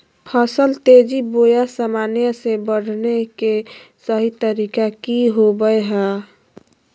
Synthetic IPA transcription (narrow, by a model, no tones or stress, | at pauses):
pʰəsəlt̪ed͡ʒibojasəmanijəsebəɽ̤ʱnekesəɦit̪əɾikakiɦobəɦɛ